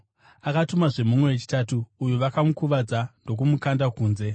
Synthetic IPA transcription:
akatumaʐe̞mumwe̞wet͡ʃi̥tatuːjuʋakamukuʋad͡zando̞k̬umukandakuːnze̞

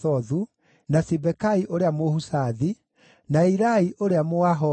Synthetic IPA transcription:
ɔðu | nasibɛkaiʔoɾeamohusaði | naiɾaiʔoɾeamoaɦɔ

